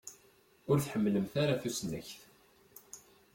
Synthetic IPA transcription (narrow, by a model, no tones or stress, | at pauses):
ʊɾθħəmːləmθaɾaθusnə̰çθ